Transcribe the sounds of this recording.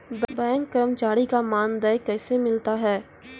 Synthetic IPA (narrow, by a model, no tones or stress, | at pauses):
bbɛ̃ːŋkːəɾəmt͡ʃaːɾikamaːnd̪ajkɛːsemɪlt̪aɦɛː